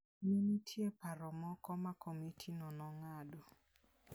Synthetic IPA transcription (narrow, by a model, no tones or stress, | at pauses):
menitʰjepaɾɔmɔkɔmakʰomitʰinɔnɔŋado